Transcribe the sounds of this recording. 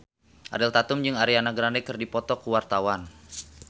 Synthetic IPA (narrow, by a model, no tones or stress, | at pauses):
ʔa̰ɾɛlt̪at̪ʊmd͡ʒɨŋaɾianaɡɾandɛkɨrdipɔt̪ɔkuwart̪awan